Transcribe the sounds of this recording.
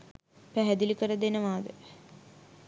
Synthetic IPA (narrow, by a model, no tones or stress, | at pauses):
pæɦæd̪ilikəɾəd̪enəʋaːd̪ə